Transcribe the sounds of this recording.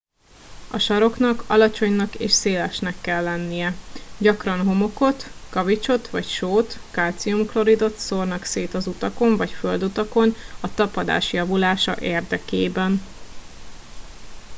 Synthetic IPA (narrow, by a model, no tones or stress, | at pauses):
ɒʃɒɾo̞knɒkɒ̰lɒt͡ʃo̞ɲnɒkḛːʃseːlɛʃnɛkːɛlːɛnːijɛɟɒkrɒnɦo̞mo̞ko̞t̪kɒvit͡ʃo̞t̪ʋɒcʃoːt̪kaːlt̪sijumflo̞ɾid̪o̞t̪soːrnɒkseːt̪ɒzut̪ɒkoɱvɒcføld̪ut̪ɒko̞nɒt̪ɒpɒd̪a̰ːʃjɒvulaːʃɒ̰ʔeːrd̪ɛkeːbɛn